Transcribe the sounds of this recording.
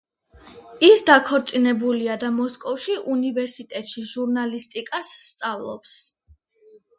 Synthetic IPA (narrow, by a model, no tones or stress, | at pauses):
isd̪akʰɔɾt̪sʼinɛbuliad̪amɔskʼɔfʃiʔunivɛɾsit̪ʼɛt̪ʼʃiʒuɾnalist̪ʼikʼasːt̪sʼavlˠɔ̰ps